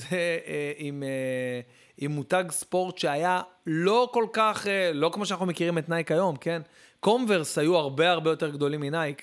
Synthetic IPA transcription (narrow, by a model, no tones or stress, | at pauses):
zeeime | imːutaɡspo̞ʁtʃeajalo̞ko̞lkaχelo̞kmoʃanaχnumekiʁimet̪najkajo̞mke̞n | ko̞mve̞ʁshajuaʁbe̞aʁbejo̞te̞ʁɡd̪o̞limːinajk